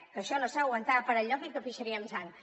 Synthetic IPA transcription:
kəʃɔləsawənt̪apəɾəʎɔkikəfiʃəɾiəlsaŋ

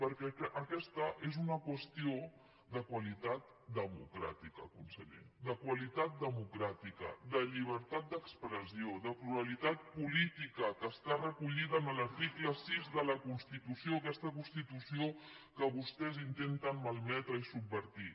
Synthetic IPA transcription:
pəɾkɛɛʔːkɛst̪əʔezunəkwəst̪io | d̪əkwəlit̪at̪̚ | d̪əmṵkɾa̰t̪ikə̰kunsəʎḛd̪əkwəlit̪at̪̚d̪əmukɾat̪ikə̰d̪əʎiβ̞əɾt̪at̪̚d̪əkspɾəsioðəpluɾəlit̪at̪̚pulit̪ikəkəːst̪arəkuʎiðəːnələɾt̪ikləsizðələkunst̪it̪usioəkɛst̪ək̬unst̪it̪usio | kəβust̪ɛzint̪ent̪ənməlˠmɛt̪ɾəisubːəɾt̪i

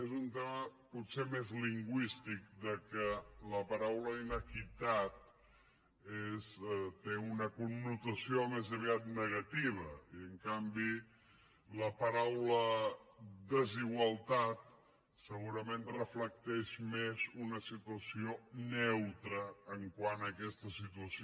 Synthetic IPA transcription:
ezunt̪eməput̪semezliŋɡwist̪ik̚d̪əkələpaɾawləinəkit̪at̪̚ | est̪eunəkunːut̪əsiomezəβiat̪̚nəɣət̪iβ̞əiəŋkambi | ləpəɾawlə | d̪əziɣwəlˠt̪at̪̚ | səɣuɾəmẽnrəflək̚t̪ɛʃmezunəsit̪uəsionɛwt̪ɾəːŋkwanəkɛst̪əsit̪uəs

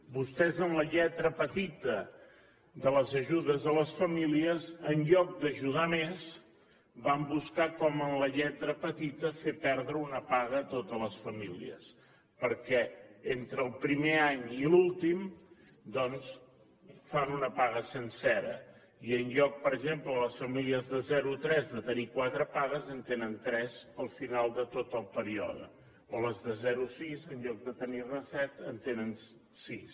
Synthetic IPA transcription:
bust̪ɛzənləʎɛt̪ɾəpət̪it̪ə | ðələzəʒuðəzðələsfəmiliəzənʎɔk̚d̪əʒuðamez | bambuskakɔmənləʎɛt̪ɾəpət̪it̪əfepɛɾðɾəunəpaɣət̪ot̪ələsfəmilḭə̰s | pəɾkɛent̪ɾəːlˠpɾimeaɲilulˠt̪im | d̪ɔns | fanunəpaɣəsənsɛɾə̰ | iənʎɔk̚pəɾəɡʒemplələsfəmiliəzðəzɛɾut̪ɾɛzðət̪ənikwat̪ɾəpaɣəzənt̪enənt̪ɾɛzəlˠfinalˠd̪ət̪ot̪əlˠpəɾiɔ̰ðə̰ | oləzðəzɛɾusizənʎɔk̚d̪ət̪ənirəsɛt̪ənt̪enən | sis

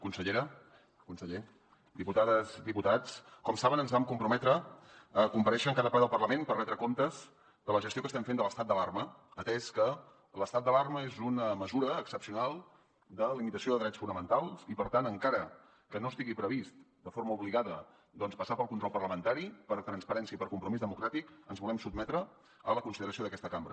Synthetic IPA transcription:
kunsəʎeɾə | kunsəʎe | d̪iput̪aðəzd̪iput̪at͡skɔmsaβənənzβamkumpɾumɛt̪ɾəəkumpəɾɛʃəŋkaðəpaɾd̪əlˠpərləmenpərɛnd̪ɾəkomt̪əz | d̪ələʒəst̪iokəst̪ɛmfend̪ələst̪at̪̚d̪əlarməːt̪ɛskə | ləst̪at̪d̪əlarməezunəməzuɾəːksəpsiunalˠ | d̪əlimit̪əsioðəðɾɛtt͡sfunəmənt̪alˠsipəɾt̪anəŋkaɾə | kənost̪iɣipɾəβist̪ | d̪əfoɾməuβliɣaðə | d̪ɔnspəsapəlˠkunt̪ɾɔlˠpərləmənt̪aɾipəɾt̪ɾənspəɾɛnsiəipəɾkumpɾumizðəmukɾat̪ikənzβulɛmsub̚mɛt̪ɾə | ələkunsiðəɾəsioðəkɛst̪əkambɾə̰

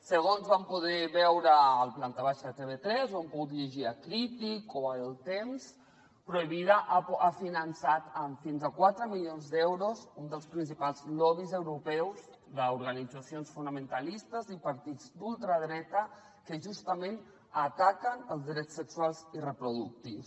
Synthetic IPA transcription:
səɣ̞onzβampuð̞ɛβɛwɾəːlˠplant̪aβaʃət̪eβet̪ɾɛzoampuɣut̪ʎeʒiakɾit̪ikoəlˠt̪ems | pɾuiβiðaʔafinənsat̪əɱfinzakwat̪ɾəmilionzd̪ɛwɾozund̪əlˠspɾinsipalˠzlɔβizəwɾupɛwz | ðəuɾɣənid͡zasionsfunəmənt̪alist̪əzipəɾt̪id͡zd̪ulˠt̪ɾəðɾɛt̪ə | kəʒust̪əmen | ət̪akənəlˠzd̪ɾɛt͡sːəkswalˠzirəpɾuðuk̚t̪iws

